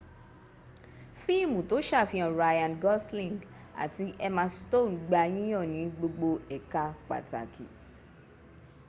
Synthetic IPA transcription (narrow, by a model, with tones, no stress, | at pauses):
fi˦˨mũ˨to˨˦ʃa˦˨fĩ˧ɔ̃˨ɾa˧jã˧nɡɔ˦slĩ˦˨ŋɡ | a̰˨ti˧ʔɛ˧mã˧sto˦˨˦ɡ͡ba˧j̃ĩ˦j̃ɔ̃˦˨nĩ˨˦ɡ͡bo˧ɡ͡bo˧ɛ˨ka˧k͡pa̰˨ta̰˨ki˨